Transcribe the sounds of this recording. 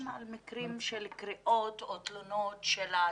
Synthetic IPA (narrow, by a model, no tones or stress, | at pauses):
malmikʁimʃelkʁiʔot̪ot̪lonotʃela